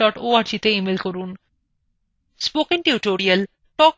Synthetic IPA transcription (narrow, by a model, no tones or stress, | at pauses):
ɔʈoaɾt͡ɕit̪eimelkɔɾun | spokiŋʈiuʈoɾiəl | ʈɔ